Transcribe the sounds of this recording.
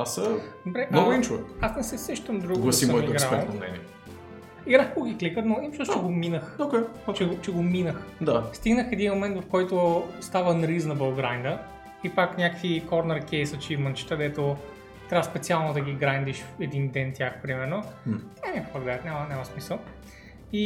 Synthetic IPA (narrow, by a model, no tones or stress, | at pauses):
asəd̪obɾɛʔnnɔɡʊint͡ʃuɛ̰asnɛsɛsɛʃt̪əmd̪ɾuɡɡlˠɐsimsəɔmiɡapɛlˠnmnɛ̰nḭɛ | iɡɾaxkoɡʲiklikət̪noimt͡ʃɔst͡ʃɛɡominəxokɛt͡ʃɛɡot͡ʃɛɡominəxd̪ast̪iɡnəxɛd̪inmomɛnt̪vɐfkɔjt̪ost̪avənɾiznɐbəlˠɡɾajnd̪ə | ipaknʲakəkvikɔɾnɛɾkʲɛjsɐt͡ʃimənt͡ʃi̥t̪əd̪ɛt̪o | t̪ɾʲavəspɛt̪sialˠnod̪ɐɡʲiɡɾajnd̪iʃɛd̪ind̪ɛnt̪ʲjaxpɾimɛɾnot̪ʲanʲakkɐɡd̪at̪nʲamənʲamɐsmisəlˠ | i